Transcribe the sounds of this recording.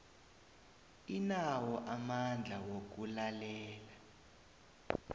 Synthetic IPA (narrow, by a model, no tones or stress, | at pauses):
inawɔʔamand͡ɮʱawok̬ulalɛːla